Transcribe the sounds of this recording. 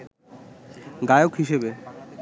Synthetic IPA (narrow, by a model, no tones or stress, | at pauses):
ɡajokɦiʃebe